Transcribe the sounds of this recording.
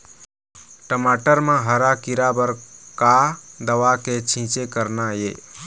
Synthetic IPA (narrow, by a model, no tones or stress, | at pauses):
ʈəmaːʈəɾmãɦəɾakiɾabəɾkad̪əʋaket͡ʃʰĩːt͡ʃekəɾnajḛː